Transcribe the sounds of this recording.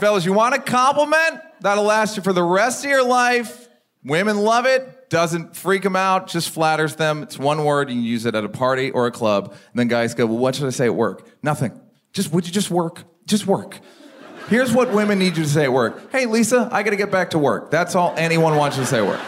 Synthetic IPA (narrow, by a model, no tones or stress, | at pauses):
fɛlˠʊzjɨwɑ̃ñɨkʰɑ̃mpləmɛ̃nt̪̚ðəɾlæst͡ʃəfə˞ðəɹɛstʌvjə˞laɪf | wɪ̃mɨ̃nlʌvɪt̚d̥ʌzɨ̃ntfɹikɨ̃maʊt̚d̥ʒ̥ʌstflæɾə˞zðə̃mɨtswʌ̃nwɜ˞djɨkn̩jʉzɨɾɨɾəpʰɑɹɾiʔə˞ɨkʰl̥ʌbn̩ðɨ̃nɡaɪzɡoʊwˠwʌt͡ʃɨɾɨseɪɨʔ̚wɜ̰˞k | nʌθɪ̰̃ŋ | d̥ʒ̥ʌst̚wəd͡ʒɨd͡ʒʌst̚wɜ˞k | d̥ʒ̥ʌst̚wɜ˞k | hɪɹzwʌt̚wɪ̃mɨ̃nːid͡ʒɨɾɨs̬eɪɨt̚wɜ˞k̚heɪlisəʔa̰ɪɡɑɾɨɡɛt̚b̥æk̚tʰəwɜ̰˞k̚ðætsɔlˠʔɛñiwʌ̃nwɑ̃nt͡ʃɨɾɨseɪɨʔ̚wɜ̰˞k